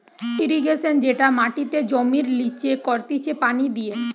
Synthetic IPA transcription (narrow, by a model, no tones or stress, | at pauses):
iɾiɡeʃend͡ʑeʈamaʈit̪ed͡ʑomiɾlit͡ɕekɔɾt̪it͡ɕʰepanid̪ije